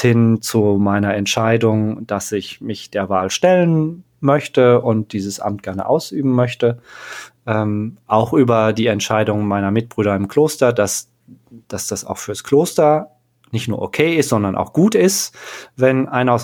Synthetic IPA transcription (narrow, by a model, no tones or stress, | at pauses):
hɪnt͡sumaɪnɐɛntʃaɪdʊŋd̥asɪçmɪçd̥eːɐvaːlʃtɛlən | mœçtəʔʊnt̚d̥iːzəsʔa̰mt̚ɡ̥ɛɐnə̰ʔa̰ʊsʔyːbm̩mœçtə | ʔɛːmʔaʊxʔyːbɐdiːɛntʃaɪdʊŋmaɪnɐmɪt̚b̥ʁyːɾɐɪmkl̥oːstɐdas | d̥asd̥asa̰ʊxfyːɐskʰloːstɐ | nɪçtnuːɐʔokʰeːɪstz̥ɔndɐnʔa̰ʊxɡ̥uːtɪstvɛnʔaɪnɐʊs